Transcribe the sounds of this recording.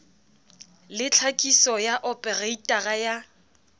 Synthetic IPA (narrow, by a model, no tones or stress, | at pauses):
lɪt͡ɬʰakʼisɔjaʔɔpʼɛreitʼaɣaja